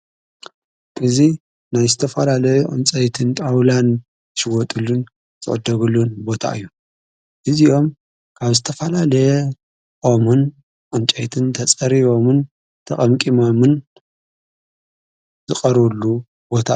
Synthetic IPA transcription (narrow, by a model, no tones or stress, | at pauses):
ʔʔɨzi | najzɨt̪ʰɐfɐlalɐjuʔʼɨ̰nt͡sʼɐjt̪ʰɨnt̪ʼawlan | ʃɪwɔt̪ʼulun | zɨ̰ʕɨd̪ːɐβɨlːunbo̞t̪ʰa̰ʔɨjːu | ʔɨziʔo̞m | kʰaβzɨt̪ʰɐfɐlalɐj | ʔʼomɨn | ʔʼɨnt͡ʃʼɐjt̪ʰɨnt̪ʰɐt͡sʼɐɾiβo̞mɨn | t̪ʰɐχʼɐmkʼimomɨn | zɨqʼɐɾlːu | bo̞t̪ʰa̰